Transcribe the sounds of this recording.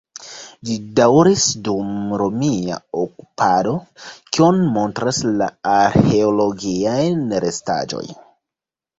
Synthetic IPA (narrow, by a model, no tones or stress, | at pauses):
d͡ʒidawɾisdumɾo̞mia̰oku̥pado̞kionmo̞ntɾasla̰aɾxe̞olo̞ɡiajnɾe̞sta̰d͡ʒo̞̰j